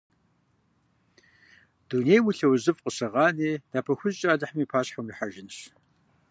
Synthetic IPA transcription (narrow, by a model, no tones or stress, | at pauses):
d̥unejwʊɬɐwzɨfqʼəsɐʁɑːneːd̥aːpʰɐxʷʊzt͡ʃʼaːdɐħamiːpʰaːɕħɐmriħaʒɪnɕ